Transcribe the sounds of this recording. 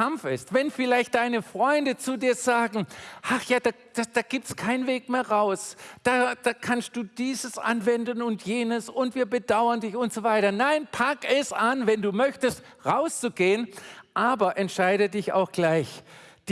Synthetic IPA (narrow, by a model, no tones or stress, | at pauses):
amfɪstv̥ɛnfɪlaɪçt̚d̥aɪnəfʁ̥ɔʏndət͡sudiːɐz̥aːɡŋ̩ʔaχjaːd̥aː | d̥ad̥aːɡ̥iːp̚tskʰaɪnveːk̚meːɐʁaʊsd̥aːd̥aːkʰanst̚d̥uːd̥iːzəsʔa̰nvɛndn̩ʊntjeːnəsʊntv̥iːɐbəd̥aʊɐndɪçʊntz̥oːvaɪtɐnaɪnpʰakɛsʔanvɛnduːmœçtəst | ʁaʊst͡suɡeːənʔaːbɐʔɛntʃaɪdədɪça̰ʊxɡ̥laɪçd̥